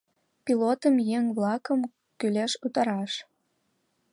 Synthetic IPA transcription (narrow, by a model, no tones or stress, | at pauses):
pilot̪əmjeŋβlɑkəm | kyleʃut̪ɑɾɑʃ